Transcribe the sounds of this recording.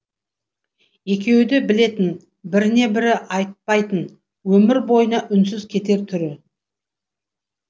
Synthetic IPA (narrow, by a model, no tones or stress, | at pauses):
e̞kʲʰe̞wd̪ebɪle̞t̪ɪn | bɪɾɪne̞bɪɾɪʔɑjt̪̚pɑjt̪ən | wɵmɪɾbo̞jənɑʔʏns̬ɪzkʲʰe̞t̪e̞ɾt̪ʰʏɾɪ